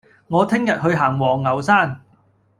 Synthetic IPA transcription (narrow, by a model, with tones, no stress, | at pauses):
ŋɔː˨˧t̪ʰɪ˥ŋjɐ˨t̚ɦɵ˧ɥɦaː˨˩ŋwɔː˨˩ŋːɐ˨˩wsaː˥˩n